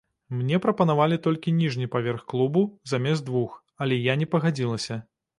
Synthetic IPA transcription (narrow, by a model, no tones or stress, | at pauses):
mnʲɛpɾɐpɐnavalʲit̪ɔlʲkʲinʲiʐnʲipavʲɛrxklˠubuzamʲɛzd̪vux | ɐlʲɛjanʲɛpɐɣad͡zʲilˠɐsʲɐ